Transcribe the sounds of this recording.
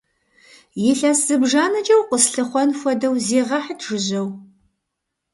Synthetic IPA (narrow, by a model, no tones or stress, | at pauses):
jɪɬaːsz̥ɨbʒaːnɐt͡ʃʼɐwqʷəsɬɨχʷɔnxʷɔdɐwzeːʁɐħitʰʐ̥ɨʑɐw